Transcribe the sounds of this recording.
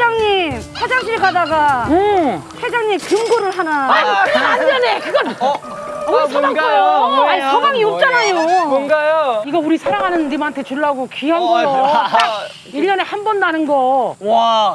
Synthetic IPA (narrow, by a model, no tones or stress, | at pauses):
d͡ʑaŋɲipʰad͡ʑaŋɕiɾɡadaɡa | sʰed͡ʑaŋɲimkɯmɡoɾɯɭɦanaand͡ʑʌnekɯɡʌn | aaŋ | aikʌbaŋiʌp̚t͡ɕ͈anajomoŋɡajoiɡʌuɾisʰaɾaŋɦanɯnɾimaantʰe̞t͡ɕuɭːaɡokiɦanɡʌjo | iɭd͡ʑʌnehambʌnːanɯnɡʌ